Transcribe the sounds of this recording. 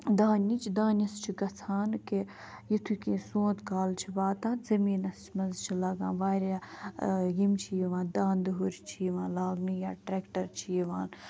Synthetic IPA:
d̪aːnit͡ʃʰd̪ãːnʲɐst͡ʃʰiɡɐt͡sʰaːnke | jit̪ʰukĩːsõːt̪kaːlt͡ʃʰibaːt̪ãːnzɐmiːnɐst͡ʃʰmɐzt͡ʃʰilɐɡã̰ːnʋaːɾa | jimt͡ʃʰijiʋãːnd̪ãːnd̪ɦuɾt͡ʃʰiiʋãːnlaːɡnijaːʈɾeːkʈɐɾt͡ʃʰijiʋaːn

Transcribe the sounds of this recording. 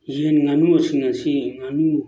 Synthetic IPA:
jenŋanuasiŋasiŋanu

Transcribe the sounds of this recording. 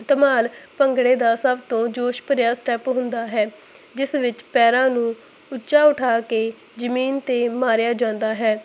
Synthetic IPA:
t̪əmaːlpəŋɡɽeːd̪aːsəbt̪õːd͡ʒoːʃpəɾjaːsʈɛːpɦʊnd̪aːɦɛː | d͡ʒɪsʋɪt͡ʃpɛːɾãːnũː | ʊtːʃaːʊʈʰaːkeː | d͡ʒəmiːnt̪eːmaːɾjaːd͡ʒãːnd̪aːɦɛː

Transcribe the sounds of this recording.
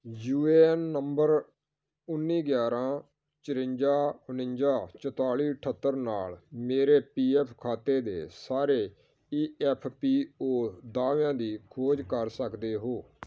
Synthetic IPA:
juːeːnːəmbəɾ | ʊnːiːɡjaːɾãː | t͡ʃəɾɪ̃ɲd͡ʒaːʊnɪɲd͡ʒaːt͡ʃət̪aːliːʈʰət̪ːəɾnaːlmeːɾeːpiːɛːpʰkʰaːt̪eːd̪ḛːsaːɾeː | iːɛpʰpiːoːd̪aːʋãːd̪iːkʰoːd͡ʒkəɾsəkd̪eːɦoː

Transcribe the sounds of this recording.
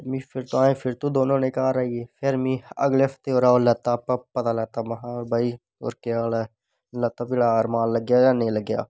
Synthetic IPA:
mĩpʰɪɾt̪oaːẽpʰɪɾt̪ud̪oːnõːnẽkɐɦaɾaːiepʰɪɾmĩə̰ɡleːft̪eoːɾaːolət̪apəpɐt̪aːləɡt̪aʋɐɦãbai | o̰ɾkeaːla | lət̪aːbɪɽaɾmaːnləɡjaːjaːnəĩləɡja̰ː

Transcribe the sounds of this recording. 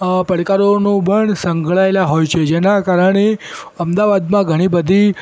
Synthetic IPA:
pəɽkaɾonũbʱəɳsəŋɡʱɭaelaɦojt͡ʃʰed͡ʒenakaɾəɳe | əmd̪aʋad̪mãɡʱəɽ̃ibəd̪ʱi

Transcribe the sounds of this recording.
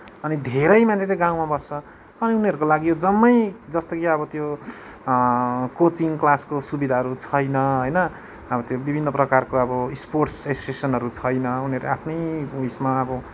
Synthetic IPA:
ʌnid̪ʱeɾʌjmant͡sʰẽt͡sʌ̃j̃ɡãw̃mabʌst͡sʌ | ʌniuniʌɾukolaɡijod͡zʌmːʌjd͡zʌst̪ʌkiʌbʌt̪jo | kot͡siŋklaskosubid̪ʱaɦʌɾut͡sʰʌjnʌɦojnʌ | ʌbʌt̪jobibʱinːʌprʌkarkoʌbʌsporʈsesosesʌnɦʌɾut͡sʰʌjnʌuniʌɾuapʰnʌjujsmaʌbʌ

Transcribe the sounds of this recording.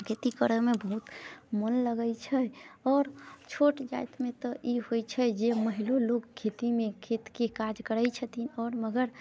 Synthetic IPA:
kʰet̪ikəɾəmebəɦut̪mənləɡət͡ʃʰəɔːɾt͡ʃʰoʈd͡ʒajt̪met̪ɔiɦojt͡ʃʰəd͡ʒeməɦilolokkʰet̪imekʰet̪kekad͡ʒkəɾəjt͡ʃʰət̪inɔːɾməɡəɾ

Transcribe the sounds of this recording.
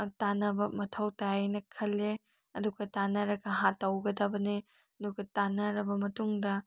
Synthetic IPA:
tanɐbɐmɐtʰɐwtajajnɐkʰɐlːe | ɐduɡɐtanɐɾɐɡɐɦatɐwɡɐdɐbɐne | ɐduɡɐtanɐɾɐbɐmɐtuŋdɐ

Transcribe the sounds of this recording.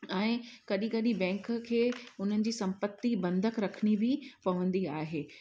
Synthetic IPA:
ɛ̃ːkɐɗĩkɐɗĩbɛ̃ːŋkkʰeːʊn̤ənɪ̆d͡ʑiːsɐ̃mpət̪ːibɐ̃nd̪ʱəkɾɐkʰnibɪpɐʋə̃nd̪iaːɦeː

